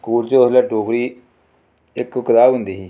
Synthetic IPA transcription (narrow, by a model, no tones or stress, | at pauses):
kuːlt͡ʃoslaːʈoːkɽiː | ɪkkəɾaːbɦʊnd̪iːɦiː